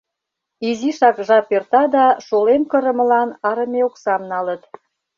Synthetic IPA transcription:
iziʃɑkʒɑpert̪ɑd̪ɑʃolemkə̆ɾə̆mə̆lɑnɑɾə̆meoksɑmnɑlət̪

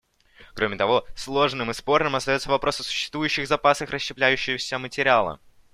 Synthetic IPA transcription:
kɾo̞mʲɪt̪ɐvo̞slˠo̞ʐnɨmɨspo̞rnɨmɐst̪ɐjo̞t̪səvɐpɾo̞səsʊ̥ɕːɪ̥st̪vujʉɕːɪɣzɐpasəxrəɕːɪplʲæjʉɕːɪvəfsʲamətʲɪɾʲɪalˠə̰

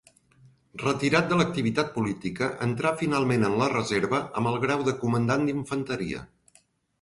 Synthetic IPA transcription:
rət̪iɾat̪̚d̪ələk̚t̪iβ̞it̪at̪̚pulit̪ikəʔənt̪ɾafinalˠmenənlərəzeɾβəəmbəlˠɣɾawðəkumənd̪and̪iɱfənt̪əɾḭə̰

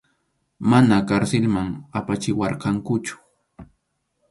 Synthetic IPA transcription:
manakaɾsɪlmaŋapat͡ʃɪwɑɾqɑŋkʊt͡ʃʊ̥

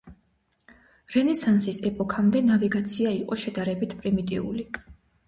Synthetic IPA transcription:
ɾɛnɛsansisɛpʼɔkʰamd̪ɛnaviɡat̪sʰiaiqʼɔʃɛd̪aɾɛbit̪ʰpʼɾimit̪ʼḭṵli

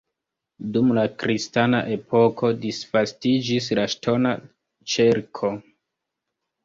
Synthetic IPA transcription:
dumlakɾistana̰ʔe̞po̞kʰo̞disfastid͡ʒis̬laʃtʰo̞na̰ | t͡ʃeɾkʰo̞

